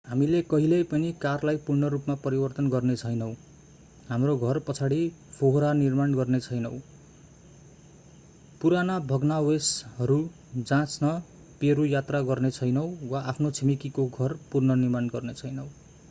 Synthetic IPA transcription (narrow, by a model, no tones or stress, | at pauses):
ɦamilekʌɦilʌjpʌnikarlajpuɽnʌɾupmapʌɾibʌrt̪ʌnɡʌrnet͡sʰʌjnʌw̃ | ɦamroɡʱʌrpʌt͡sʰaɽipʰoɦɾanirmanɡʌrnet͡sʰʌjnʌw̃ | puɾanabʱʌɡnawesɦʌɾu | d͡zãt͡snʌ | peɾujat̪raɡʌrnet͡sʰʌjnʌw̃waʔapʰnot͡sʰimikikoɡʱʌrpurnʌnirmanɡʌrnet͡sʰʌjnʌw̃